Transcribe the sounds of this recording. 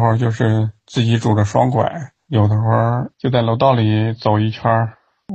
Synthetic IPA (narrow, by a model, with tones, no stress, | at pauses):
xwə˥˧t͡ɕjo˥˧ʊʂɻ̩˥˧t͡sɹ̩˥˩t͡ɕi˧˥ʈ͡ʂu˨˩də˦ʂwɑ̰˥ŋkwa̰˨˩˦ɪ | jo˨˩ʊd̪ə˧˦xwa˥˧t͡ɕjo˥˧ʊt͡sa˥˩ɪlʊt̪ɑ˥˩ʊli˨˩t͡so˨˩ʊi˥˩t͡ɕʰa˥